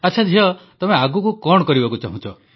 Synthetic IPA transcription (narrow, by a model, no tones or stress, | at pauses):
at͡ʃʰad͡ʒʱiɔt̪ɔmeaɡukukɔɽɔkɔɾibakut͡ʃa̰ɦũt͡ʃʰɔ